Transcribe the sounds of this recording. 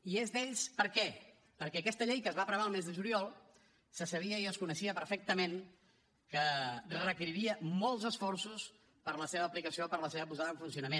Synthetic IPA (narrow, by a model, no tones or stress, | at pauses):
iezðeʎspəɾkɛ | pəɾkɛəkɛst̪əʎejkəzβapɾəβaəlˠmezðəʒuliɔlˠ | səsəβiəiəskunəʃiəpəɾfek̚t̪əmen | kərəkiɾiɾiəmɔlˠzəsfɔɾsus | pəɾləseβəːplikəsiopəɾləseβəpuzaðəɱfunsiunəmen